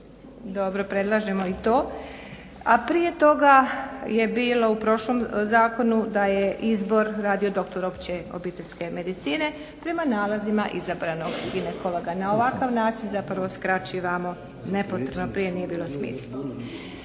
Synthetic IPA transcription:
d̪o̞bɾo̞pɾe̞d̪lˠaʒe̞mo̞it̪o̞ː | apɾije̞t̪o̞ɡaje̞biːlo̞upɾo̞ʃlo̞mzaːko̞nud̪aje̞ʔizbo̞ɾɾaːd̪io̞d̪o̞kt̪o̞ɾo̞pt͡ɕeo̞̰biːt̪e̞lʲske̞me̞d̪it̪siːne̞ | pɾe̞manaːlazimaʔizabɾano̞ɡɡinekoloɡanao̞ʋakaʋnaːt͡ʃinzapɾʋo̞skɾat͡ɕiʋamo̞ | ne̞pot̪ɾebnopɾije̞nije̞biːlo̞smḭːslo

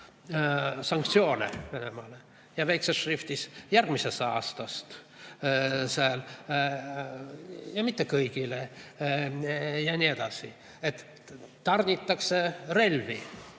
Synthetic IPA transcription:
sɑŋkt̪sio̞ːnḛve̞ne̞mɑle | jɑvejkseʃrift̪isjærɡ̥misest̪ɑ̰ːst̪ɑst̪ | sɑl | jɑmit̪ːekɤjɡ̥ile | jɑnʲied̪̥ɑsi | et̪ː | ɑrnʲit̪ːˑɑksere̞lvḭ

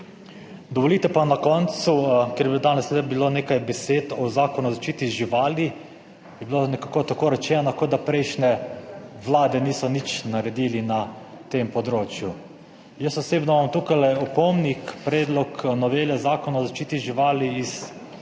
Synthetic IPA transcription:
d̪ɔʋɔliːt̪ɛpanakɔnt̪sukɛɾbid̪aːnɛssed̪abiloːneːkajbɛseːt̪ɔzaːkɔnuzaʃt͡ʃiːt̪iʒiʋaːli | jɛbilonɛkakoːt̪akoːɾɛt͡ʃɛːnakod̪ːapɾɛɪʃnɛʋlaːd̪ɛniːsɔnit͡ʃnaɾɛd̪ilina | t̪empɔd̪ɾoːt͡ʃju | jəst̪ɔseːbnɔmamt̪uːkajlɛɔpɔmnikpɾɛːd̪lɔknɔʋeːlɛzaːkɔnaɔzaʃt͡ʃiːt̪iʒiʋaːliis

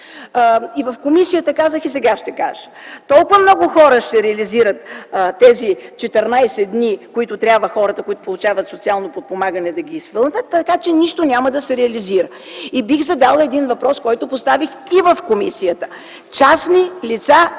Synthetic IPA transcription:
ivəfkomisijət̪əkazəxisɛɡaʃt̪ɛka̰ʒə̥t̪ɔlˠkʊvəmnɔɡʊxɔɾəʃt̪ɛɾɛɐliziɾət̪t̪ːɛzit͡ʃɛt̪ɛɾnajsɛd̪nʲikoit̪ʊt̪ɾʲabvəxɔɾət̪əkoit̪ʊ̥polˠʊt͡ʃavət̪sot̪sialˠnopot̪̚pomaɡənɛd̪ɐɡʲiːsvɤlˠnʲət̪ːɐkat͡ʃɛniʃt̪onʲaməd̪ɐsɛɾɛɐliziɾə | ibixzɐd̪alˠɛd̪invɐpɾɔskɔjt̪ʊpost̪avix | ivəfkomisijət̪ə̥ | t͡ʃasnilit̪sa

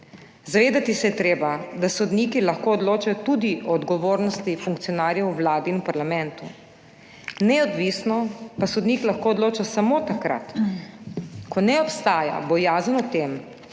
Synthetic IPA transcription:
zaʋeːd̪at̪isɛjɛt̪ɾeːbad̪asod̪niːkilaxkoɔd̪loːt͡ʃajɔt̪uːd̪iʔɔd̪ɡɔʋoːɾnɔst̪ifuŋk̚t̪sijɔnaːɾjɛwwlaːd̪iːnupaɾlamɛ̃nt̪u | nɛɔd̪ʋisnɔpasod̪niːklaxkoːd̪loːt͡ʃasamoːt̪akɾa̰t̪ | kʰɔnɛɔpst̪aːja̰bɔjaːzanɔt̪em

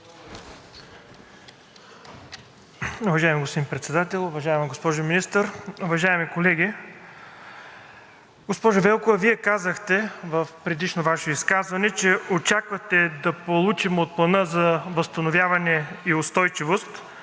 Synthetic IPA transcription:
ʊvɐʒajɛmiɡospod̪inpɾɛt̪sɛd̪at̪ɛlˠʊvɐʒaimɐɡospɔʒʊminist̪əɾʊvɐʒaɛmikolɛɡ̟ʲi | ɡospɔʒʊvɛlˠkovɐviɛkazəxt̪ɛvəfpɾɛd̪iʃnovaʃiskazvɐnɛt͡ʃɛot͡ʃakvɐt̪ɛd̪ɐpolˠut͡ʃimot̪̚plˠɐnɤzɐvɐst̪ɐnovʲjavɐnɛiʊst̪ɔjt͡ʃivost̪

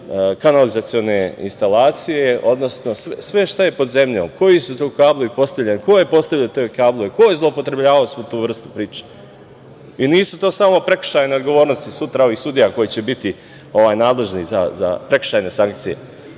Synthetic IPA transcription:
kanalizat̪sio̞ne̞ḭnst̪alaːt̪sije̞o̞d̪no̞sno̞sesʋe̞ʃt̪aje̞po̞d̪ze̞mʎo̰ːmko̞jisut̪okaːblˠoipo̞st̪aʋʎʲenkoje̞po̞st̪aʋʎʲet̪oːjkaːblˠoʋekojezlˠo̞upo̞t̪ɾe̞bʎaːʋalosmot̪uːʋr̩st̪u̥pɾiːt͡ʃe̥ | iniːsut̪oːsaːmo̞pɾe̞kʃajne̞od̪ɡo̞ʋoːɾnost̪isut̪ɾao̞ʋixsud̪ijako̞jit͡ɕe̞bit̪i | o̞ʋaːjnaːd̪le̞ʒniza̰za̰pɾe̞kʃaːjne̞saŋk̚t̪sije̞̰

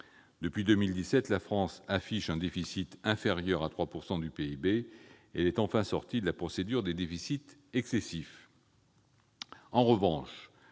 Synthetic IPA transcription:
d̪əpɥid̪ømild̪isɛt̪lafχɑ̃safiʃɛ̃d̪efisit̪ɛ̃feʁjœʁat̪χwapuʁsɑ̃d̪ypeibeɛlɛt̪ɑ̃fɛ̃sɔʁt̪id̪əlapχɔsed̪yʁd̪ed̪efisit̪ɛksesif | ɑ̃ʁəvɑ̃ʃ

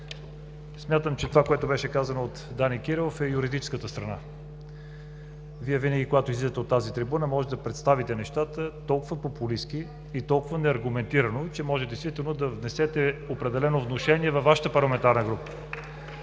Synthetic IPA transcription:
smʲjat̪əmt͡ʃɛt̪ovakoɛt̪obɛʃɛkazənoot̪d̪anikiɾɛlˠofɛjuɾid̪it͡ʃɛ̥skət̪əst̪ɾɐna̰ | viɛvinəɡʲikoɡat̪oʊizlid̪ət̪ɛot̪ːazit̪ɾibunəmɔʒɛt̪ɛd̪ɐpɾɛt̪st̪avit̪ɛnɛʃt̪at̪ət̪ɔlˠkʊvəpopuliskiː | t̪ɔlˠkʊvənɛɐɾɡumɛnt̪iɾɐnot͡ʃɛmɔʒɛtd̪ɛjst̪vit̪ɛlˠnod̪ɐvnɛsɛt̪ɛopɾɛd̪ɛlɛnovnoʃɛniɛvɐfvːaʃə̥t̪əpɐɾlˠɐmɛnt̪aɾnəɡɾupə̥

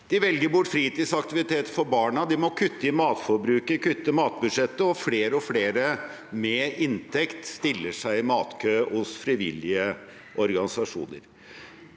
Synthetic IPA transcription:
d̪̥ɪʋɛlɡəɾbʊʈːfɾiːt̪iːd̪sɑkt̪ɪʋɪt̪ʰeːt̪fɔɾbɑːɳɑd̪ɪmɔkʰʉt̪ːəɪmɑːt̪fɔɾbɾʉːkəkʉt̪ːəmɑːt̪̚bʉʂɛt̪ːəɔfleːɾəɔfleːɾə | mɛɪnt̪ʰɛkt̪st̪ɪlːəʂæɪɪmɑːt̪kʰøːhʊsfɾɪʋɪ̰lːɪə | ʔɔɾɡɑnɪsɑʂṵːnə̰ɾ

